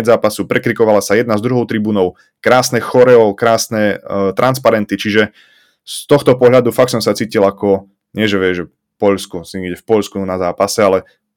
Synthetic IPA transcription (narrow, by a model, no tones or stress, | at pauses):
ɛd͡zzaːpasupɾɛkɾikɔʋalasajɛd̪nazd̪ɾuɦɔʊt̪ɾibuːnɔʊ | kɾaːsnɛxɔɾɛɔkɾaːsnɛt̪ɾʔanspaɾɛnt̪it͡ʃiʒɛ | st̪ɔxt̪ɔpɔɦʎad̪ufak̚sɔmsat͡siːcilakɔ | ɲɪɛʒɛʋɪɛʒʒɛ | pɔʎskusiɲiɡɟɛfpɔʎskunazaːpasɛalɛ